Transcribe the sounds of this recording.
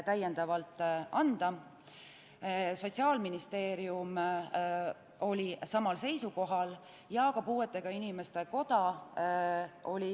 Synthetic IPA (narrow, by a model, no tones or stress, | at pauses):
t̪æjːe̞nd̪̥ɑvɑlt̪ːˑɑnd̪̥ɑ | so̞t̪ʲsiɑːlminist̪e̞ːɾium | o̞lʲisɑmɑlse̞jsuko̞ɦɑl | jɑkɑpuːet̪ˑːe̞ɡ̥ɑinime̞st̪e̞ko̞d̪̥ɑ | o̞lʲi